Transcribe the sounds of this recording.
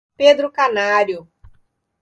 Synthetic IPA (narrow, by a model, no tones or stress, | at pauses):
ped̪ɾʊkanaɾjʊ